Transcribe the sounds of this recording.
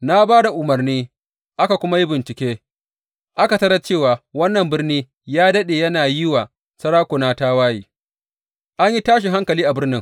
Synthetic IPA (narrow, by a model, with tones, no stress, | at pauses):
na˦baː˦da˨ʔʊ˨mɐ˨rniː˦ | ʔa˦ka˨kʷʊ˦ma˦ji˦bɪ˨nt͡ʃɪ˨kʲeː˦ | ʔa˦ka˨tɐ˦ɾɐ˦t͡ʃeː˦˨waː˨wɐ˦nːɐ˨mbɪ˦rniː˦ | jaː˦dɐ˦ɗeː˨jɐ˦naː˨jɪ˦waː˨ | sɐ˦ɽaː˦kʷʊ˨naː˦taː˦waː˦jḭː˨ | ʔa˦ɲji˦taː˦ʃ̬i˨ɦa˦ŋkɐ˨liː˦ʔa˨bɪ˦rnɪ˦ŋ